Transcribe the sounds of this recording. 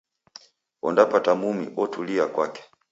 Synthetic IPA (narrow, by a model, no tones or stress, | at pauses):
wɔ̰ndapatamumḭʔɔtuliakwakɛ̥